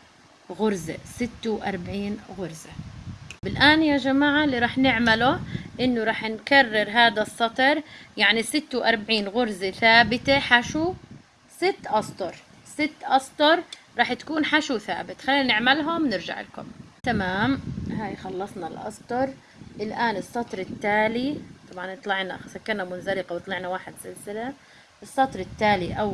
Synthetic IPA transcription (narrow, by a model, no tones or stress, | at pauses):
ɣʊɾzḛsɪt̪ːewʔɑ̰ɾˤbaʕiːnɣʊɾzebɪlʔaːnjaʒamaːʕalːiɾˤɑːħnɪʕmalʊʔɪnːʊɾˤɑːħnkarːɪɾˤɦaːd̪asˤːɑt̪ˤɑɾˤjaʕnisɪt̪ːewʔɑɾˤbaʕiːnɣʊɾzeθaːbɪt̪eħaʃu | sɪt̪ːʔɑsˤt̪ˤʊɾˤ | sɪt̪ːʔɑsˤt̪ˤʊɾˤɾˤɑːħt̪ḁkuːnħaʃuθa̰ːbɪt̪xalːiːnanɪʕmalɦʊmnɪɾʒa̰ʕɪ̰lkʊ̰mː | t̪amaːmɦaːjxɑlːɑsˤnɑlʔɑ̰sˤt̪ˤɑɾˤ | ʔɪlʔaːnɨsˤːɑt̪ˤɾɪt̪ːaːlit̪ˤɑbʕɑnɨt̪ˤlɑʕna̰sakːɑɾˤnamʊnzalɪqɑwt̪ˤlɑʕnawaːħɪd̪sɪlsɪla | ʔɨsˤːɑt̪ˤɾɪt̪ːaːliʔawː